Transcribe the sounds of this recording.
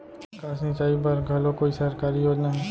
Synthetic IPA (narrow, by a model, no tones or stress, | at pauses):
kaːsnɪt͡ʃaːip̬ɐɾɡʱɐlõkoːisɐɾkaːɾijoːd͡ʒnaɦɛː